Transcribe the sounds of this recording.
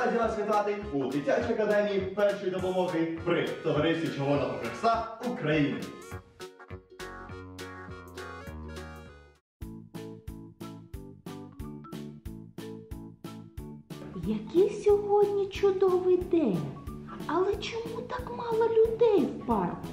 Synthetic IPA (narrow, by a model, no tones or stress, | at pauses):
adʲinasʋʲit̪at̪ɪ | ud̪ʲɪtʲat͡ʃijɐkɐd̪ɛmʲijipɛrʃɔjd̪ɔpɔmɔɣɨjpɾɪt̪ɔʋɐɾɪsʲit͡ʃɔɦɔnɔɦɔpɾɪsaukɾɐjinɪ̰ | jɐkʲisʲɔɦɔdʲnʲit͡ʃʊd̪ɔʋɪd̪ɛnʲɐlˠɛt͡ʃɔmut̪akmɑlˠɐlʲʊd̪ɛjwpɑrkʊ